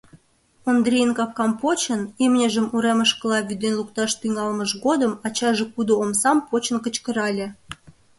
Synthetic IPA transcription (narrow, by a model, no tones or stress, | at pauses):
ond̪ɾʲijənkɑp̚kɑmpot͡ɕənemnʲeʒəmuɾeməʃkə̆lɑβʲyd̪enluk̚t̪ɑʃt̪yŋɑlməʃɣod̪əmɑt͡ɕɑʒekud̪oomsɑmpot͡ɕənkət͡ɕkə̆ɾɑlʲĕ